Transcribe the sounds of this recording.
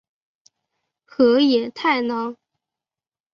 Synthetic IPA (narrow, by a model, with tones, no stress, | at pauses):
xɤ˧˥jɛ˨˩t̪ʰa˥˩ɪnɑ˧˥ŋ